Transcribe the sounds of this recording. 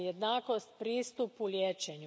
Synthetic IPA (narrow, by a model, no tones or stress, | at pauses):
jed̪naːkost̪pɾiːst̪upulʲjeːt͡ʃeɲu